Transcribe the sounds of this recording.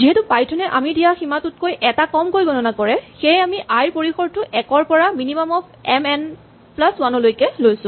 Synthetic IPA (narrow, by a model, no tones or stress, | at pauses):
ziɦɛtupajtʰɔnɛʔa̰midijaximatut̚kojʔɛtakɔmkojɡɔnɔnakɔɹɛxejamiʔajɹpoɹixɔɹtʊʔɛkɔɹpɔɹaminimamɔp̚ | ɛmɛn | plaswanɔlojkɛlojsʊ̃